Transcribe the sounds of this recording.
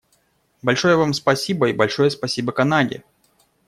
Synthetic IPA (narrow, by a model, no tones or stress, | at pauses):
bɐlʲʂojəvamspɐsʲibəibɐlʲʂojəspɐsʲibəkɐnadʲɪ̰